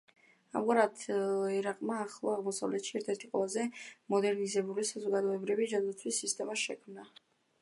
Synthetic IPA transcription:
a̰mɡaɾad̪ɛɾaqʼmaːχlˠaaʁmɔsa̰vlɛt̪ʃiɛɾt̪ʰɛɾt̪ʰiqʼwɛ̰lˠazɛmɔd̪ɛɾnizɛbulisazɔɡad̪ɔɛbɾivid͡ʒand̪at̪sʰwisːist̪ʼɛmaʃɛkʰmna

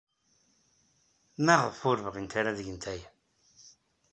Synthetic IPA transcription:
mæʁəðfʊɾvəʁint̪aɾaðəʝənt̪æj

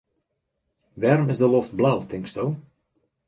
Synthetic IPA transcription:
ʋɛrmɪzdəloft̚blawtɪŋkstow

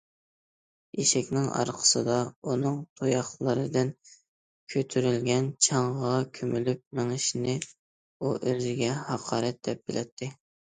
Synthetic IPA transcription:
iʃɛkʲnɪŋɑ̰ɾqʰə̥sɨd̪ɑunɨŋt̪ʰojɑχlˠɨɾɨd̪ɪn | kʲʰøt̪ʰyɾylɡʲɛnt͡ʃʰɑɴʁɑkʲʰømylyp̚meŋɪʃɪnɪ | uʔøzɪɡʲɛhɑqʰɑːɾɛt̪̚d̪ɛp̚b̥ɪlʔɛ̰t̪ʰːɪ

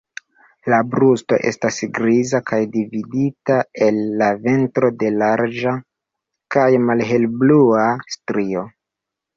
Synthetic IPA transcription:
labɾusto̞̰ʔe̞̰stasɡɾizakajdividitae̞lːave̞ntɾo̞de̞laɾd͡ʒa | kajmalɦe̞lbluastɾio̞

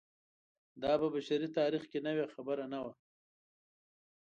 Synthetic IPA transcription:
d̪ɑːpəbaʃaɾit̪ɑːɾixkenawexabəɾanawa

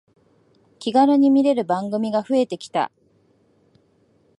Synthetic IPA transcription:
kʲiɡaɾɯɲ̟imʲiɾe̞ɾɯ̟bãŋɡɯ̟mʲiɡaɸɯ̟e̞t̪e̞kʲi̥t̪a̰

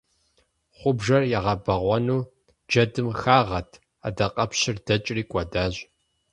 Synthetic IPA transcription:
χʷʊbʒɐrjaʁɐbɐʁʷɔnuː | d͡ʒɐdɨmxaːʁɐtʰ | a̰dɐqʼɐpʰɕɪrd̥ɐt͡ʃʼriːkʷʼɔdaːʑ

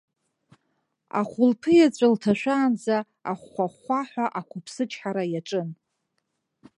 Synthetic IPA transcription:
a̰χʷʊlpʰɨjat͡ɕʷʼaltʰaʃʷᶣaːnd͡za | aχːʷaχʷaħʷaʔakʷʰʊpʰsɨt͡ʃʰʼħaɾajaʈ͡ʂʼɨn

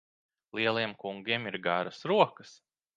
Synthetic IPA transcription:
lˠiɛlˠiɛmkuŋɡiɛmiɾɡaɾɐsɾuɔkɐs

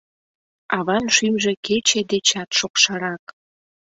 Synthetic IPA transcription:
ɑβɑnʃymʒeket͡ɕed̪et͡ɕɑt̪ʃokʃɑɾɑk

